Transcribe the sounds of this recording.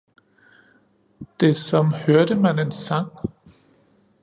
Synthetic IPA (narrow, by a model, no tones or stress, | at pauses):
d̥e̝sɒ̽mhøɐɾ̥əmæne̝nsɑ̈ŋ̰